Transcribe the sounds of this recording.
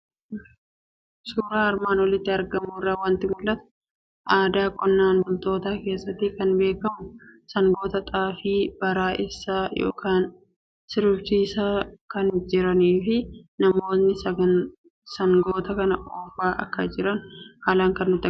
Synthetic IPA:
suːɾaːɐɾmaːnwɔlɪt̪ːɪɐɾɡɐmuːrːaːwɐnt̪ɪmʊlːɐt̪ʊ̥ | ʔaːd̪aːkʼɔnːaːnbʊlt̪o̞ːt̪aːke̞ːsːɐt̪ːɪkɐnbe̞ːkɐmʊsɐŋɡo̞ːt̪ɐt̪ʼaːfiːb̥ɐɾaːʔɪsːaːjo̞̰ːkʰaːn | sɪɾʊbt͡ʃiːsaːkɐnd͡ʒɪɾɐniːfɪnɐmo̞ːnːɪ | sɐŋɡo̞ːt̪ɐkɐnɐʔoːfaːʔɐ̰kːɐd͡ʒɪɾɐnhaːlaːŋkɐnːʊt̪ːɐ

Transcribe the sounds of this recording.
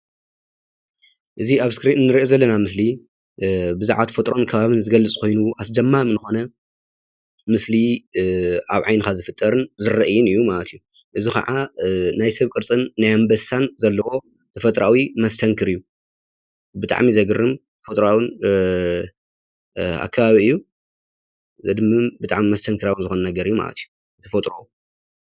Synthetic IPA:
ʔɨziaβskɾit̪nːɨɾiʔozɐlːɐnamɨsli | bɨzuʕat̪fɐt̪ʼɾo̞nkʰɐβaβɨnzɨɡɐlːɨt͡sʼkʰo̞jnuʔasd͡ʒɐmːamnɨxo̞nɐ | mɨsli | aβʕajnɨkʰazɨfɨt̪ʼːɐɾɨnzɨɾɐʔɨjɪnɨjːumalɐt̪ʰɨjːu | ʔɨzikɐ̰ʕanajsɐβkʼɨɾt͡sʼɨnːajambɐsanzɐlːɐwo̞ | t̪ʰɐfɐt̪ʼɾawimɐst̪ʰɐŋkʰɨɾɨjːu | bɨt̪ʼa̰ʕmizɐɡɨrːɨmʰfot̪ʼɾawɨn | a̰kʰːɐβaβiɨjːu | zɐd̪ɨmɨmbɨt̪ʼa̰ʕmimɐst̪ʰɐŋkʰɨɾawɨnzɨxonɐnɐɡɐɾɨjːuma̰lɐ̰t̪ʰiju | t̪ʰɐfot̪ʼɾowu

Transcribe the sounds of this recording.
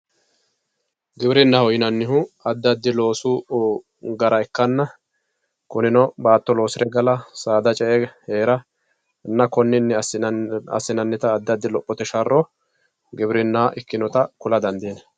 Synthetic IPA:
ɡɪbɪɾɪnːɐhɔjɪnɐnːɪɦʊɐd̪ːɐd̪ːɪlo̞ːsu | ɡɐɾɐɛkːɐnːɐ | kʊnɪnɔbaːt̪ːɔlo̞ːsɪɾɛɡɐlɐsaːd̪ɐt͡ʃʼɛʔɛheːɾɐ | nːɐkɔnːɪnːɛ | ɐ̰sːɪnɐnːɪt̪ɐːd̪ːɐd̪ːɪlɔpʼːɔt̪ɛʃɐrːɔ | ɡɪbɪɾɪnːɐhɐʔɪkːɪnɔt̪ɐkʊlɐd̪ɐnd̪iːnɐ

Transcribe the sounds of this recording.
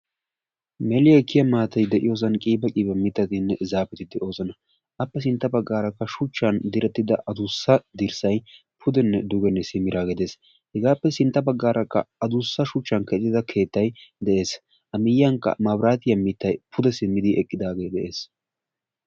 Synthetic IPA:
mɛlɪjɛkːɪjɐmaːt̪ɐjd̪ɛʔɪjo̞ːs̬ɐnkʼiːbɐkʼiːbɐmɪt̪ːɐt̪ɪnːɛzaːpɛt̪ɪd̪ɛʔo̞ːsɐnɐ | ʔɐpːɛs̬ɪnt̪ːɐbɐɡːaːɾɐkːɐʃʊt͡ʃːɐnd̪ɪɾɛt̪ːɪd̪ɐʔɐd̪ʊsːɐd̪ɪɾsɐj | pʰʊd̪ɛnːɛd̪ʊɡɛnːɛsɪmːɪɾaːɡɛd̪e̞ːs | hɛɡaːpːɛsɪnt̪ːɐbɐɡːaːɾʔɐkːɐ̰ɐd̪ʊsːɐʃʊt͡ʃːɐnkɛt̪ːɪd̪ɐkʰe̞ːt̪ːɐjd̪ɛʔe̞ːs | ʔɐmɪjːɐŋkːɐ̰mɐwɾaːt̪ɪjɐmɪt̪ːɐjpʰʊd̪ɛsɪmːɪd̪ɪʔɛkʼːɪd̪aːɡe̞ːd̪ɛʔe̞ːs

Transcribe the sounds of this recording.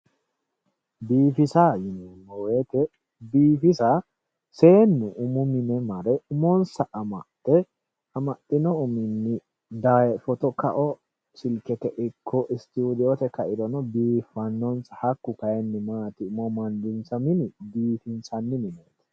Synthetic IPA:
biːfɪsajɪnɛnːɔwet̪ɛ | biːfɪsa | se̞ːnːʊʔʊmʊmɪnɛmɐɾɛʊmɔnsɐʔɐmɐt̪ːɛ | ɐmɐt̪ʼːɪnɔʊmɪnːɪ | d̪ɐɛfɔt̪ɔkɐ̰ʔɔ | sɪlkɛt̪ɛʔɪkʰːɔʔɪst̪uːd̪ɪɔt̪ɛkɐʔɪd̪ɔnɔbiːfːɐnːɔnsɐhɐkːʊkɐjɛnːɪmaːt̪ɪʊmɔmɐnd̪ɪnsɐmɪnɪbiːfɪnsɐnːɪmɪneːt̪ɛ̥

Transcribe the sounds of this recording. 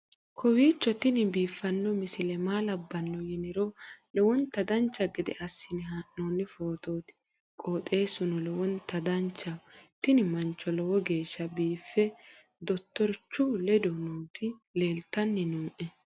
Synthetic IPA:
kʰɔwiːt͡ʃːɔt̪ɪnɪbiːfːɐnːɔmɪsɪlɛmaːlɐbːɐnːɔjɪnɪɾɔlɛwɔnt̪ɐd̪ɐnt͡ʃːɐɡɪd̪ɛ̰ɐsːɪnɪɦɐʔːoːnːɪfo̞ːt̪o̞ːt̪ɪ̥ | kʼo̞ːt̪ʼe̞ːsʊnɔlɛwɔnt̪ɐd̪ɐnt͡ʃːɐt̪ɪnɪmɐnt͡ʃːɔlɛwɔɡe̞ːʃːɐbiːfːɛ | d̪ɔt̪ːɔɾt͡ʃːʊlɛd̪ɔnuːt̪ɪle̞ːlt̪ːɐnːɪnuːʔɛ

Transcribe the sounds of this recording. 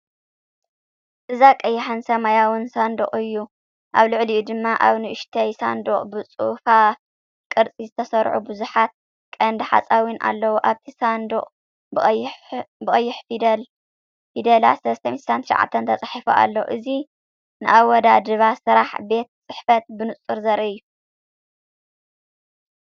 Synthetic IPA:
ʔɨzakʼɐjːɪħɨnsɐmajawɨnsand̪oχʼɨjːu | ʔaβlɨʕliʔud̪ɨmːaʔaβnɨʔɨʃt̪ʰɐjsa̰nd̪oχʼbɨt͡sʼṵfa | kʼɨɾt͡sʼizɨt̪ʰɐsɐɾʕubɨzuħat̪̚ | kʼɐnd̪ɨħa̰t͡sʼawinʔa̰lːɐwuʔaβt̪ʰisand̪oχʼ | bɨχʼɐjːɪħfdl | fid̪ɐla̰sɐlɐst̪ʰɐmit̪sant̪ʰʃʕa̰t̪ʰːɐnt̪ʰɐt͡sʼaħifuʔa̰lːoʔɨzi | nɨʔawɔd̪ad̪ɨβasɨɾaħbe̞t̪̚t͡sʼɨħfɐt̪̚bɨnɨt͡sʼɨɾzɐɾʔɐju

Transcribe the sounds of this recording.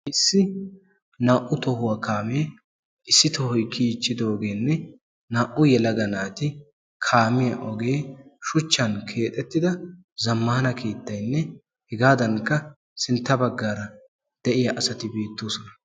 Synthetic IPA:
ʔɪsːɪ | naːʔʊt̪ɔhʊwɐkaːmeː | ʔɪsːɪt̪ɔhɔjkːiːt͡ʃːɪd̪oːɡe̞ːnːɛ | naːʔʊjɛlɐɡɐnaːt̪ɪ | kʰaːmɪjɐ̰ʔɔɡe̞ːʃʊt͡ʃːɐnkʰe̞ːt̪ʼːɛt̪ːɪd̪ɐ | zɐmːaːnɐkʰeːt̪ːɐjnːɛ | hɛɡaːd̪ɐŋkːɐ | sɪnt̪ːɐbɐɡːaːɾɐ | d̪̥ɛʔɪjɐʔɐsɐt̪ɪbeːt̪ːoːsɔnɐ

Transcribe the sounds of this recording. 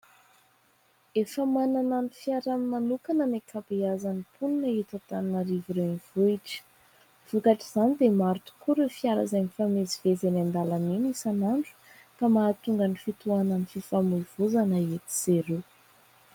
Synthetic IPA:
efəmanananifjaɾamimanukanənekʰabeazanipʰuninaet̪at̪annəɾiviɾewniv̥oiʈ͡ʂə̥ | v̥ukaʈ͡ʂiz̥anid̪emaɾt̪u̥kuɾefiaɾa̰zeɲifamezivezenand̪alanenisanaɳɖ͡ʐu̥ | kamaːt̪uŋɡanifit̪uananififamuiv̥uzanəet̪i̥z̥eɾu

